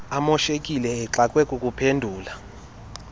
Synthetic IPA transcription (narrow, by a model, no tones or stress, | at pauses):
amɔʃekʼilɛːǁakʼwɛkʼukʼupʰendʱuːla